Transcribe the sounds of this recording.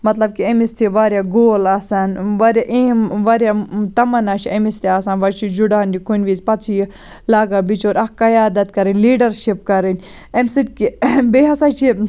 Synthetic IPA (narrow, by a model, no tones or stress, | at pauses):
mɐt̪lɐb̚kiɐmist̪ʰiʋaːɾjaɡoːlaːsaːnʋɐɾaʔemʋɐɾjat̪ɐmɐnaːt͡ʃʰiɐmist̪iaːsaːnʋɐɾt͡ʃʰid͡ʒuɖaːnd̪ʲikunʲʋiːzpɐt͡sʰij | laːɡaːbit͡ʃʰoːɾɐkːɐjaːd̪ɐt̪kɐɾinʲliːɖɐɾʃipkɐɾinʲ | emsit̪̚ʲkibeɦɐsat͡ʃʰi